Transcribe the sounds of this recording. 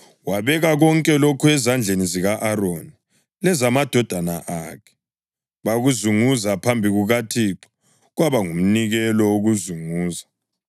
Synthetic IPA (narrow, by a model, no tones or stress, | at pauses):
waβɛɣaɣɔŋkʼɛlokʰuɛzand͡ɮʱeniziɣaʔaɾoni | lɛzamad̥ʱɔd̥ʱanaʔakʰɛ̥ | βaɣuzuŋuzapʰambʱiɣuɣatʰiǃɔ̥ | ɣwaβaŋum̩niɣɛlɔwoɣuzuŋuːza